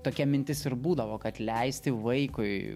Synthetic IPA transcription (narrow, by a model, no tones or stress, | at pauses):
t̪oːkʲɛmʲɪnʲt̪ʲɪsɪɾbuːd̪ɐʋoːkɐt̪lʲɛɪsʲt̪ʲɪʋɐɪkʊɪ